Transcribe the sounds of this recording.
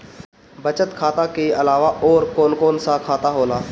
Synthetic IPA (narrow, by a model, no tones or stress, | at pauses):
bɐt͡ʃət̪kʰaːt̪akeɐlaːʋaʔɔːɾkoːnkoːnsakʰaːt̪aɦoːlaː